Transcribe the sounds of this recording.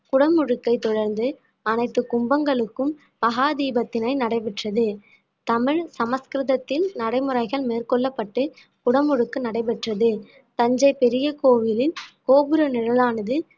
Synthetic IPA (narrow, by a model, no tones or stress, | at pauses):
kʊɽɐmːʊɻɯkːɐɪt̪ɔɽɐɾnd̪ɯ | ɐnɐɪt̪ːɯkʊmbɐŋɡɐɭɯkːɯm | pɐɣaːd̪iːbɐt̪ːɪnɐɪnɐɽɐɪʋɪʈrɐðɯ | t̪ɐmɪɻsɐmɐskɾɯðɐt̪ːɪlnɐɽɐɪmɯrɐɪɣɐɭmeːrkɔɭːɐpːɐʈːɯ | kʊɽɐmːʊɻɯkːɯnɐɽɐɪpɛʈrɐðɯ | t̪ɐɲd͡ʒɐɪpɛɾɪjɐkoːʋɪlɪnkoːbɯɾɯnɪɽɐlaːnɐðɯ